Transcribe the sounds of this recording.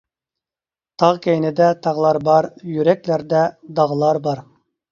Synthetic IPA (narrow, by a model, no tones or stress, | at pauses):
t̪ʰɑʁkʲejnɪd̪ɛt̪ʰɑʁlˠɑɾbɑɾjyɾɛkʲlæɾd̪ɛd̪ɑʁlˠɑɾbɑɾ